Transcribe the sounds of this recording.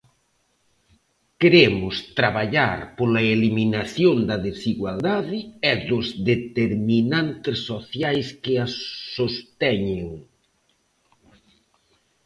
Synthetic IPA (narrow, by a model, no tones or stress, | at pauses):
keɾemʊst̪ɾaβaʎaɾpolɐeliminaθjond̪ɐðesiɣwald̪aðɪɛðʊzðet̪eɾminant̪ɪsːoθjajskɪassost̪ɛɲeŋ